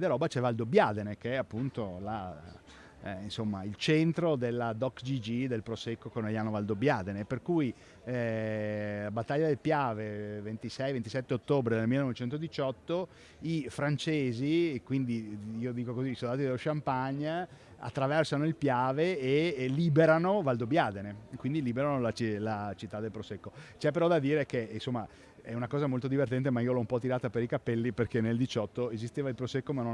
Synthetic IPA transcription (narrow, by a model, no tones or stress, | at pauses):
d̪eɾɔːbat͡ʃɛvald̪objaːd̪enek̟eɛapːunt̪ola | insomːa̰ilt͡ʃent̪ɾod̪elːad̪ɔkd͡ʒid͡ʒid̪elpɾosekːokonejaːnovald̪objaːd̪eneperkuj | bat̪ːaʎːad̪elpjaːvevent̪isɛjvent̪isɛt̪ːeot̪ːoːbɾed̪elmilːenɔvet͡ʃɛnt̪od̪it͡ʃɔt̪ːo | ifɾant͡ʃeːzikwind̪iiːod̪iːkokoziːsold̪aːt̪id̪eloʃampaɲːa | a̰t̪ːɾavɛrsanoilpjaːveeliːbeɾanovald̪objad̪enekwind̪iliːbeɾanolat͡ʃlat͡ʃit̪ːad̪elpɾosekːot͡ʃɛpːeɾɔd̪ad̪iːɾekeinsomːa | ɛunakɔːzamolt̪od̪ivert̪̬ɛnt̪̬emaiːolɔumpɔt̪iɾaːt̪apeɾikapɛlːiperkeneld̪it͡ʃɔt̪ːoezist̪eːvailpɾosekːomano